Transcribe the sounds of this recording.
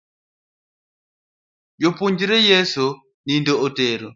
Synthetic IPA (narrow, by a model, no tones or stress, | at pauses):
jɔpuɲd͡ʒiɾɛjɛsu | nindɔɔtɛɾɔ